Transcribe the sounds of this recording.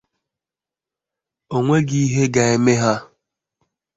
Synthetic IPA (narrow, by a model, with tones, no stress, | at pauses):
o˨ŋʷe˦ɡi˦i˦ɦe˦ɡa˨e˦me˦ɦa˦